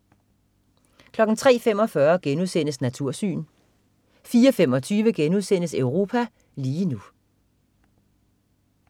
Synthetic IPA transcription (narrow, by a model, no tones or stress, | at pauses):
kʰlɒ̽ɡ̥n̩t͡sʰʁɛ̰ːfem̰ɒ̽fɶɐɡ̥enuðˠsen̰əsnæt͡sʰuɐ̰sy̰ːn | fiːɐɒfemɒ̽t͡sʰyːʋəɡ̥enuðˠsen̰əsøʊʁo̝ːpʰæ | liːnu